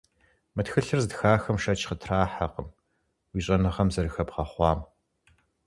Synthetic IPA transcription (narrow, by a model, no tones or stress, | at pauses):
mɨtxɨɬɨrzdxaːxɐmʂɐt͡ʃʰχətʰraːħaqəm | wiːɕʼɐnɨʁɐmzɐrɨxɐpqɐχʷɑːm